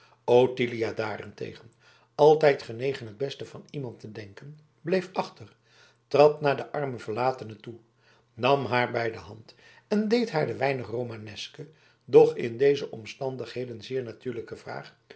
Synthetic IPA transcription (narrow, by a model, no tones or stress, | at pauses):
owtilijadaːrɛ̰ntḛjχən | ɑlˠtɛjtχənejχənɦəd̚bɛstəv̥ɑnimɑntədɛŋkən | blejfɑχtər | trɑtnaːɹdəʔɑɹməvəɹlaːtənətu | nɑmɦaːɹbɛjdəɦɑnt | ɛndejtɦaːɹdəʋɛjnəχrowmanɛskə | dɔχɪ̰ndejzəʔɔmstɑndəχɦejdənzɪːɹnatyːɹləkəvra̰ːχ